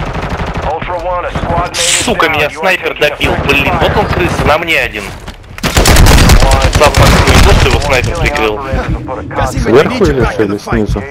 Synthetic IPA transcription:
sukəmʲɪnʲasnajpʲɪrd̪ɐpʲilˠbɨlʲːinvot̪onskɾɨsʲənamnʲeɐdʲin | zafakt̪nojɪzosʲjɪvosnajpʲɪrpɾʲɪkɾɨlˠ | svʲerxʊɪlʲɪʂɨlʲɪsʲnʲizʊ

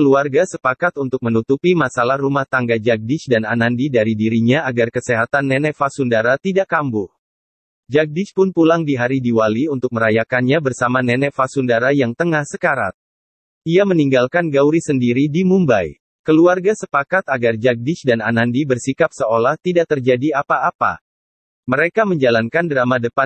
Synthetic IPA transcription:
kəluarɡasəpakat̪unt̪ʊk̚mənut̪upimasalahrumaht̪aŋɡad͡ʒak̚dɪt͡ʃdananandidaɾidiɾiɲaaɡarkəseɦat̪anːɛnɛfasundaɾat̪idakambʊh | d͡ʒak̚dɪt͡ʃpʊnpulaŋdiɦaɾidiwaliunt̪ʊk̚məɾajakanɲabərsamanɛnɛfasundaɾajaŋt̪əŋahsəkaɾa̰t̪̚ | ʔiaməniŋɡalkanɡawɾisəndiɾidimumbaj | kəluarɡasəpakat̪aɡard͡ʒak̚dɪt͡ʃdananandibərsikap̚səolaht̪idaʔ̚t̪ərd͡ʒadiapaːpa̰ | məɾekaməɲd͡ʒalankandəɾamadəpan

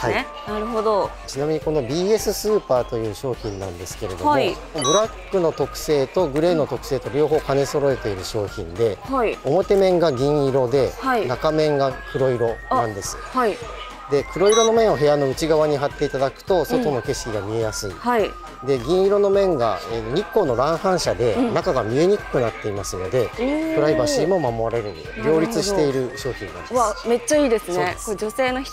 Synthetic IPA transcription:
hai | naɾɯ̟ɦod̪ot͡ɕinamʲiɲ̟iko̞no̞bʲiːe̞sɨsɨːpaːt̪o̞jɯ̟ːɕo̞ːçĩnːã̰nd̪e̞sɨ̥keɾe̞d̪omo | bɯ̟ɾakːɯ̟no̞t̪o̞kɯ̟̥se̞ːt̪o̞ɡɯ̟ɾe̞ːno̞t̪o̞kɯ̟̥se̞ːt̪o̞ɾʲo̞ːɦo̞ːkane̞so̞ɾo̞e̞t̪e̞iɾɯ̟ɕo̞ːçĩnd̪e̞haio̞mo̞t̪e̞mẽ̞ŋɡaɡʲĩɰ̃iɾo̞d̪e̞hainakamẽ̞ŋɡakʰɯ̟ɾo̞iɾo̞nãnd̪e̞sɨ̥̰hai | d̪e̞kɯ̟ɾo̞iɾo̞no̞mẽ̞ɰ̃oɦe̞jano̞ɯ̟t͡ɕiɡaβaɲ̟iɦat̪ːe̞it̪ad̪akɯ̟̥t̪o̞so̞t̪o̞no̞ke̞ɕkʲiɡamʲie̞jasɨḭhai | d̪e̞ɡʲĩɰ̃iɾo̞no̞mẽ̞ŋɡa̰eɲikːo̞ːno̞ɾãɰ̃hãɰ̃ɕad̪e̞nakaɡamʲie̞ɲ̟ikɯ̥kɯ̟nat̪ːe̞imasɨno̞d̪e̞kɯ̟ɾaibaɕimo̞mamo̞aɾe̞ɾeɾɯ̰ɾʲo̞ːɾʲit͡sɨɕi̥t̪e̞iɾɯ̟ɕo̞ːçʲik̪ã̰ame̞t͡ɕːaiːd̪e̞sɨne̞kod͡ʑo̞se̞ːnoç̥

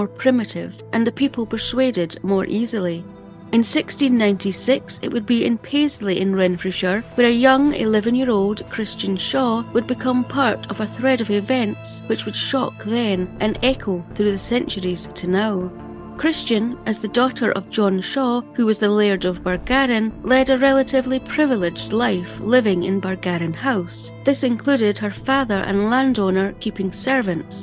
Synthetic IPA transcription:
ɔɹpʰɹ̥ɪmɪʔɪv̥ʔə̃nðəpʰipʰəl̩ˠpʰə˞swedɪdmɔɹʔizil̩ˠi | ɪ̃nsɪkstĩnːãɪ̃ntʰisɪksɪ̰ʔwəd̚biɪ̰̃npʰezl̩ˠiʔɪ̃nɹɛ̃nfɹɪʃə˞wə˞ɨjʌ̃ŋɪ̰lˠɛvɨ̃njiəɹolˠdkʰɹ̥ɪst͡ʃɨ̃nʃɔwəd̚bɨkʰʌ̃mpʰaɹʔəvəθɹɛɾəvɪvɛ̃nts | wɨt͡ʃwɨd̥ʃɔ̰kðɨ̃nʔɨ̃nɛkʰoθɹʉðɨsɛ̃nt͡ʃə˞iz̥tʰɨnaʊ | kʰɹ̥ɪst͡ʃɨ̃nʔəzðɨdɔʔə˞ʔʌ̰vd͡ʒɔ̃nʃɔhʉwʌzðəlˠeɹdəvbə˞ɡaɹɨ̃nlˠɛɾəɹɛlˠəʔɪvlˠipʰɹ̥ɪvəlˠɪd͡ʒdˡlˠaɪflˠɪvɪ̃ŋɪ̰̃nbə˞ɡaɹɨ̃nhaʊs | ðɪsɨ̃nkʰl̥ʉɾɪd̚ə˞faðə˞ʔə̰̃nlˠãndɔnə˞kʰipɪ̃ŋsɛ˞vɨ̃nts

